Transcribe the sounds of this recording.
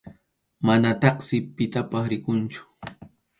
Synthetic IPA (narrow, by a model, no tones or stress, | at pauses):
manat̪ɑχsɪpɪt̪apɑsɾɪkʊnt͡ʃʊ̥